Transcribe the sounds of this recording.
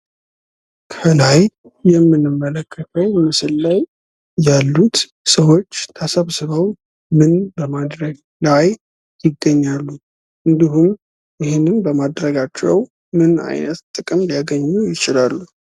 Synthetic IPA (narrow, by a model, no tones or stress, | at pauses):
kʰəlajjɛmːɨnːɨmːələkʰːət̪ʰəwmɨsɨlːaj | jalːut̪ | səwo̞t͡ʃːt̪ʰəsəβsɨβəw | mɨnbəmad̪ɾəɡ | laj | jɪɡːəɲːalːu | ʔɨnd̪ihum | jɪhenːɨnbəmad̪ɾəɡat͡ʃːɛw | mɨna̰jnət̪t̪ʼɨkʼɨmlijaɡəɲːujɪt͡ʃɪlalːu